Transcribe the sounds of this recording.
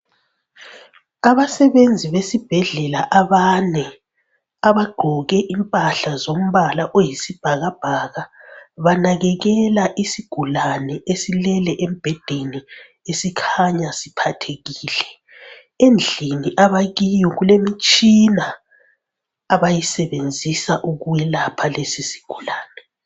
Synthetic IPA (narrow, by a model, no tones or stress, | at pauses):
aβasɛβend͡zʱiβesib̥ʱɛɮɛlaʔaβanɛ | aβaɡ͡ǃʱɔɣɛʔimpʼaɬazom̩βalaʔojisib̥ʱaɣab̥ʱaɣaβanaɣɛɣɛlaʔisiɡ̥ʱulanɛesilɛlɛʔem̩b̥ʱɛd̥ʱeni | esikʰaɲasipʰatʰeɣiːlɛ | end͡ɮʱiniʔaβaɣijɔɣulemit͡ʃʼina | βajisɛβend͡zʱisaʔuɣujɛlapʰalesisi̥ɡ̥ʱulaːnɛ